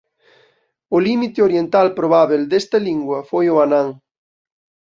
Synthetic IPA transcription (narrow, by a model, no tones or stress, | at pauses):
ʊlimit̪eoɾjent̪alpɾoβaβeld̪est̪ɐliŋɡwɐfojʊanãŋ